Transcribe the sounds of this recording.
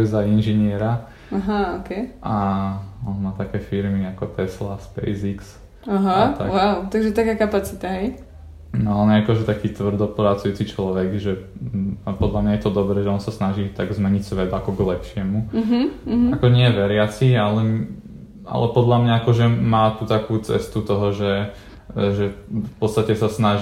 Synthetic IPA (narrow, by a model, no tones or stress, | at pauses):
ɛzainʒɛɲɪɛɾa | aɦaɔkɛʔaɔnmaːt̪akɛːfiɾmiakɔt̪ɛslaspɛ̰jziks | aɦat̪awaʊt̪aɡʒɛt̪akaːkapat͡sit̪aɦɛj | nɔaɔnjɛakɔʒɛt̪akiːt̪ʋr̩d̪ɔpɾat͡sujuːt͡sit͡ʃlɔʋɛɡʒɛ | apɔd̪lamɲajɛt̪ɔd̪ɔbɾɛʒɛɔnsasnaʒit̪aɡzmɛɲicsʋɛd̪akɔɡlɛpʃɪɛmuɦ̩akɔʒɛɲɪɛʋɛɾɪat͡sialɛ | a̰lɛpɔd̪lamɲaakɔʒɛmaːt̪ut̪akuːt͡sɛ̰st̪ut̪ɔɦɔʒɛ | ʒɛfpɔtt͡st̪acɛsasnaʒ